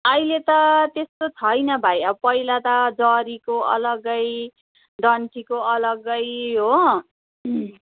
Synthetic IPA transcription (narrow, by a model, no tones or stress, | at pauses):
ʌjlet̪ʌt̪est̪ot͡sʰʌjnʌbʱajʌpʌilat̪ʌd͡zʌɾikoʔʌ̰lʌɡʌj | ɖ̪ʌɳʈʰikoʌlʌɡʌjɦo